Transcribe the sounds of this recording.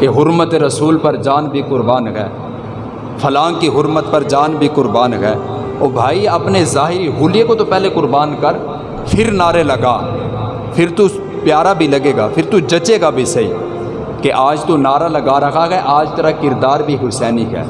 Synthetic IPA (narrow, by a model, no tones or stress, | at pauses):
keɦʊɾmət̪eɾɐsuːlpɐɾd͡ʒaːnbʱikʊɾbaːnɡɛ̰ː | fʰɐlaːŋkiɦʊɾmət̪̚pɐɾd͡ʒaːnbʱikʊɾbaːnɦɛɛ | oːbʱaːiɐpnezaːɦɪɾiɦuːlijekot̪opɛːɦlekʊɾbaːnkɐɾ | pʰɪɾnaːɾelɐɡa̰ː | pʰɪɾt̪u | pjaːɾabʱilɐɡeːɡapʰɪɾt̪ud͡ʒɐt͡ʃeːɡabʱisɐḭː | keʔaːd͡ʒt̪onaːɾalɐɡaːɾɐkʰaɡɛeʔaːd͡ʒt̪ɐɾəkɪɾd̪aːɾbʱiɦʊɾsɛːnikɛ̰ː